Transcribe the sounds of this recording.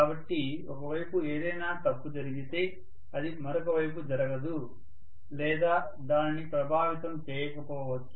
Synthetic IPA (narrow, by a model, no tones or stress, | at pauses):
kaːbɐʈːi | ɔkɐʋɐjpueːd̪ɐjnaːt̪ɐpːud͡ʒɐɾiɡit̪eː | ɐd̪imɐɾɔkɐʋɐjp̬ud͡ʒɐɾɐɡɐd̪u | lɛːd̪aː | d̪aːninipɾɐbʱaːʋit̪ɐmt͡ʃeːjɐkɐpɔːʋɐt͡ʃːu̥